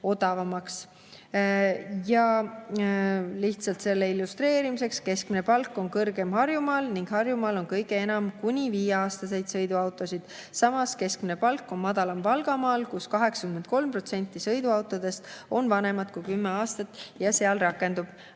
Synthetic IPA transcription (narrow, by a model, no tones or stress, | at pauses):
o̞d̪̥ɑvɑmɑks | jɑ | liht̪sɑlt̪se̞lːeilːust̪re̞ːɾimise̞kske̞skminepɑlkːˑo̞nkɤrɡe̞mhɑrjumɑːlniŋɡ̥hɑrjumɑːlo̞nkɤjɡeenɑmkunʲiviːjeɑːst̪ɑse̞jd̪̥sɤjd̪uɑwt̪ːˑo̞sid̪̥sɑmɑske̞skmine̞pɑlkːˑo̞nmɑd̪̥ɑlɑmpɑlɡɑmɑːlkuskɑɦe̞ksɑ̥kymend̪̚ko̞lmpro̞t̪se̞nʲt̪ˑːisɤjd̪uɑwt̪ːˑo̞d̪̥e̞st̪o̞nvɑne̞mɑt̪̚kujkymːeɑːst̪ɑt̪ːˑjɑseɑlrɑkːˑe̞nd̪ub̥